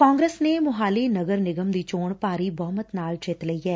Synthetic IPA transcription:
kɔːŋɡɾeːsneːmʊɦaːliːnəɡəɾnɪɡəmd̪iːt͡ʃoːɳpaːɾiːbɔːmət̪naːld͡ʒet̪ləiːɦɛː

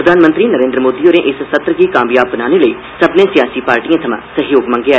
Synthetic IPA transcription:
ɐd̪ʱaːnmə̃nt̪ɾinɐɾẽnd̪ɾəmoːd̪ioːɾẽʔɪssɐt̪ɾkikaːmjaːbːɐnaːneləi | sɐbnẽsijaːsipaːɾʈiãt̪ʰɐmã̰sɐɦjoːɡmɐ̃ŋɡeaː

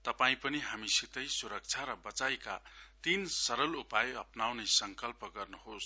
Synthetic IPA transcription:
t̪ʌpaĩpʌniɦamisit̪ʌjsuɾʌk̚t͡sʰaɾʌbʌt͡sajkat̪insʌɾʌlupajʌpnawnʌsʌŋkʌlpʌɡʌrnuɦos

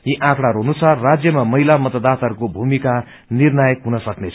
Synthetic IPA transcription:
jiʔãkɽaɾonusarːad͡zjʌmamʌɦilamʌt̪ʌd̪at̪ʌrkobʱumika | nirnʌjʌkɦunʌsʌknet͡sʰ

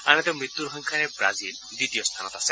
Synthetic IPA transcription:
añɛt̪ewmɾit̪ːuɾɔɦɔŋkʰaɾebɾa̰zil | d̪it̪ijɔst̪ʰanɔt̪ase

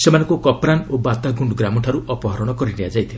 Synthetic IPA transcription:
semanɔ̃ŋkukɔpɾanobat̪aɡʱuɳɖɡɾamɔʈʰaɾuʔɔpɔɦɔɾɔɽ̃ɔkɔɾinead͡ʒajt̪ʰila

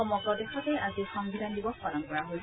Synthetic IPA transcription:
ɔmɔɡɹɔdɛxɔtɛazixɔŋbidʱandibɔkɔnɔmkɔɹaɦoj

